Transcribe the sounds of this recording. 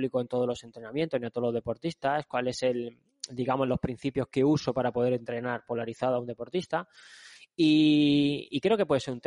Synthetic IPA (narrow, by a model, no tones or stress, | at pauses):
likoe̞nt̪olo̞se̞nt̪ɾe̞nãmje̞nt̪o̞nint̪oolo̞zðe̞po̞ɾt̪ist̪askwale̞se̞l | d̪iɣamo̞lo̞hpɾin̟θipjo̞skeuso̞paɾapo̞ðe̞ɾe̞nt̪ɾe̞naɾpo̞laɾiθaðoaund̪e̞po̞ɾt̪ist̪a | i | ikɾe̞o̞kepwe̞ðe̞seunt̪